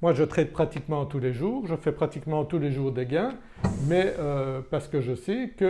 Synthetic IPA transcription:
mwaʒət̪χɛt̪̚pχat̪ikmɑ̃t̪uleʒuːʁʒəfɛpχat̪ikmɑ̃t̪uleʒuːʁd̪eɡɛ̃ | mɛøpaʁsə̥kəʒəsɛkə

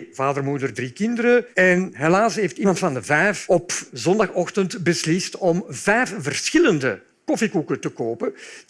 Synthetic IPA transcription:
vaːdərmudərdrikɪndəɾəɛnɦelaːsɦeːftimɑntfɑndəvɛjfɔpzɔndɑxɔxtəntbəslɪstɔmvɛjfvərsxɪləndə | kɔfikukətəkoːpə

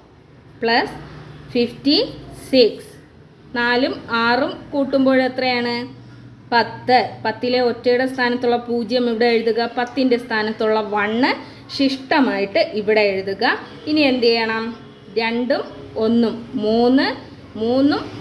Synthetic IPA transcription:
pɭɐsfiftisiks | naːlumaːrumkuːʈːumbo̞ːɻet̪rɐjaːɳɨ | pɐt̪ːɨpɐt̪ːileo̞tːeːɽest̪ʰaːnɐt̪ːuɭːɐpuːd͡ʑjɐmiʋiɽeje̞ɻuðuɣɐpɐt̪ːinde̞st̪ʰaːnɐt̪ːuɭːɐʋɐɳːɨ | ʂiʂʈɐmaːjiʈːɨʔiʋiɽejeɻuðuɣɐ | iniend̪ijɐɳɐm | ɾe̞ɳɖumo̞nːumːuːnːɨ | muːnːum

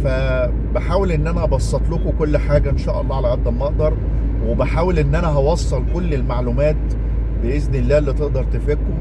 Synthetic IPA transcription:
fæ | beħaːwelʔenːʔænæbsˤːɑt̪ˤlokokolːħaːɡæʔenʃæːʔɑ̰lˤːɑːʕalæʕæd̪ːælmɑʔd̪ɑɾˤ | webeħaːwelʔenːʔænæɦɑwɑsˤːɑlkolːelmaʕlumæːt̪ | beʔeznelːæːelːit̪eʔd̪ɑɾˤt̪efekːo

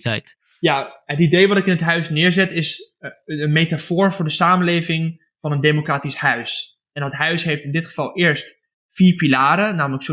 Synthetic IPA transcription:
tɛt | jaɦətidejʋɑtɪkɪnətɦœɥsnɪːɹzɛtɪs | ənmejtafʊːɹvʊːɹdəsaːməlejvɪŋ | v̥ɑnəndemokraːtishœɥs | ɛnətɦœɥsɦejftɪndɪtχəv̥ɑlˠɪːəɹst | fiːɹpilaːɾənaːmələkso

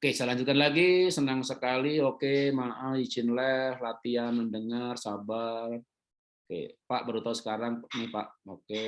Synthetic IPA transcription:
okesəlaɲd͡ʒut̪kanlaɡisənaŋsəkaliokemaʔəit͡ʃɪnlɛhlat̪ianməndəŋarsabar | okḛpaʔbəɾut̪aɦusə̥kaɾaŋnipaʔoke

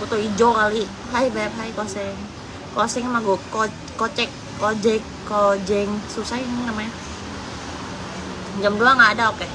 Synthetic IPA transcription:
kut̪oid͡ʒokali | ɦajbɛpɦajkosɛŋ | kosɛŋmaɡoko | kot͡ʃɛkː | od͡ʒɛkː | od͡ʒɛŋsusaamaja | d͡ʒamduaŋɡaːdaoke

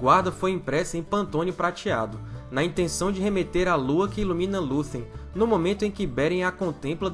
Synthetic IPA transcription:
ɡwaɾd̪ɐfojĩpɾɛsɐẽj̃pɐ̃nt̪õnʊpɾat͡ʃia̰d̪ʊnɐĩnt̪ẽsɐ̃w̃d͡ʒɪɦemet̪eɾaluɐkɪilumĩnɐlusẽj̃nʊmõmẽnt̪ʊẽkɪbɛɾẽj̃akõnt̪ẽmplɐ

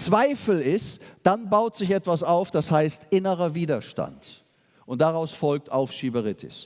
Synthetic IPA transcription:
t͡sv̥aɪfl̩ɪstd̥anbaʊtz̥ɪçɛtv̥asaʊfd̥ashaɪstʔɪnəʁɐviːdɐʃta̰nt | ʔʊnt̚d̥aʁaʊsfɔlk̚tʔa̰ʊfʃiːbɐʁɪtʰɪ̰s

